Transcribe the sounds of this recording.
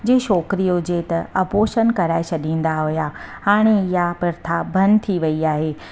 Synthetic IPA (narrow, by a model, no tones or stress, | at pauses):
d͡ʑeːʃɔːkɾijod͡ʑet̪ɐɐpoːʃənkɐɾaːɪsɐɗĩːnd̪aɦʊjahaːɽ̃eɪjapɪɾt̪ʰabʱɐnt̪ʰiʋɐiaːɦeː